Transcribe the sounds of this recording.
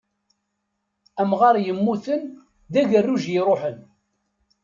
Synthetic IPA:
æmʁɑɾˤjəmːuθən | ðæʝərːuʒjɪɾˤoʊħən

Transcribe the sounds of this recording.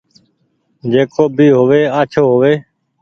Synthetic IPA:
d͡ʒeːkʰoːbʱiːɦoːʋeːaːt͡ʃʰoːɦoːʋeː

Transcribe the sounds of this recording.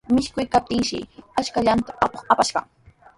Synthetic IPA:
mɪʃkʊjkap̚t̪ɪŋʃɪ̰at͡ʃkaʎant̪ḁʔapoχapaʃɢɑ̰ŋ

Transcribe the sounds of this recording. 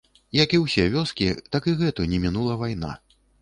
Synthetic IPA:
jɐkiwsʲɛvʲɔskʲit̪akiɣɛt̪unʲɛmʲinulˠɐvajn̪a̰

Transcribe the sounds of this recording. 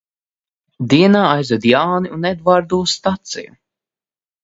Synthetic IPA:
d̪iɛnaːajzɛd̪jaːniunɛd̪vaːɾd̪uːst̪at̪sḭju

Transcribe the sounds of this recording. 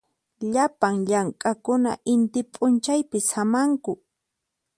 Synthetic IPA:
ʎapaŋʎaŋkʼakʊna̰ʔɪnt̪ɪpʼʊnt͡ʃajpɪsamaŋkʊ

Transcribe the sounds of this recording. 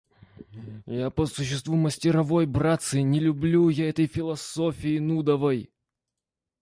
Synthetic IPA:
japəsʊɕːɪst̪vuməsʲtʲɪɾɐvo̞jbɾat̪sɨnʲɪlʲʊblʲujaɛt̪əjfʲɪlˠɐsofʲɪɪnud̪əvəj

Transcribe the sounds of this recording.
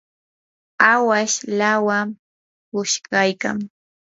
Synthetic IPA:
awaʃlawam | kʊʃkajka̰ŋ

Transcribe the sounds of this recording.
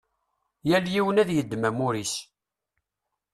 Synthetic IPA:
jæljiwənæðjəd̪ːmæmʊɾis

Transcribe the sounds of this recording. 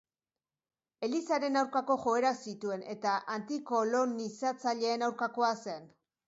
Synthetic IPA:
e̞lisaɾe̞nawɾkako̞ʝo̞e̞ɾasit̪ue̞ne̞t̪aʔant̪iko̞lo̞nisat͡saʎe̞ːnawɾkako̞ase̞n

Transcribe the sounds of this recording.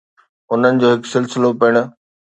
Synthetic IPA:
ʊn̤ənɪ̆d͡ʑoːɦɪksɪlsɪlopɪɽ̃ʊ̆

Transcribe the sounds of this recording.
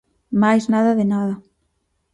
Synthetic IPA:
majznaðɐðɪnaðɐ

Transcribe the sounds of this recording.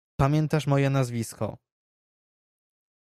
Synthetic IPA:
pamʲjɛnt̪aʂmɔjɛnazvʲiskɔ̰

